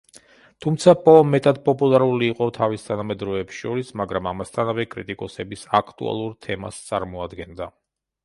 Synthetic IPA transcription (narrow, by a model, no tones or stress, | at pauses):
t̪ʰumt̪sʰapʼɔmɛt̪ʼad̪̚pʼɔpʼulˠaɾuliːqʼɔt̪ʰavist̪ʰanamɛd̪ɾɔɛpsʃɔɾismaɡɾamamast̪ʰanavɛkʼɾit̪ʼikʼɔsɛbisakʰt̪ʼṵa̰lˠuɾt̪ʰɛma̰st̪sʼa̰ɾmɔad̪ɡɛnd̪a